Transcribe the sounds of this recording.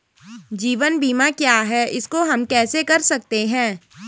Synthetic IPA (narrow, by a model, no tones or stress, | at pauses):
d͡ʒiːʋənbiːmakjaːɦɛɪskoɦɐmkɛːsekɐɾsɐk̚t̪eɦɛ̃ː